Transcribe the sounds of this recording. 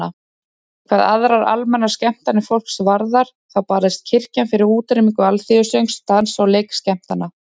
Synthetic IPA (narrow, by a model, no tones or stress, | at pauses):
a | kʰvaːðaðɾaɾa̰lmɛnːascɛm̥t̪anɪfol̥ksvaɾðaɾ̥ | θawpaːɾðɪst̪̚cʰɪr̥canfɪɾɪɾuːt̪ɾɪmiŋkʏalθiʏsœɥŋst̪ansawleːjkscɛm̥t̪anːa